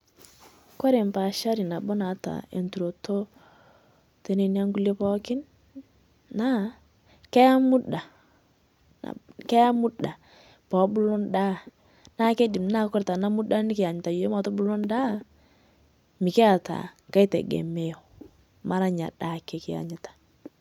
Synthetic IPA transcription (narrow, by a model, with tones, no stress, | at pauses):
ko˦ɾe˨mpa˨ʃa˦ɾi˨na˨bo˦na˨ta̰˨ḛ˨ntu˨ɾo˨to˦ | te˨˦ne˨n˦a˦ŋɡu˦le˦pɔ˦kɪ˦nː | a˦ | kɛ˦ja˦mu˦da˨ | na̰˨kɛ˦ja˦mu˦da˨ | pɔ˨˦bʊ˦lo˦nda˦ | na˦ke˦dɪ˨mna˦kɔ˦ɾta˨na˦mu˦da˦nɪ˦kɪ˨a˨ɲɪ˨ta˨je˦ma˨tɔ˦bʊ˦lo˦nda˦ | mɪ˨ke˦a˨ta̰˨ka˦jtḛ˨ɡḛ˨me˦jo˨ | ma˦ɾa˨ɲa̰˨ɗa˦˨ke˨kɪ˦a̰˨ɲɪ˦tḁ˨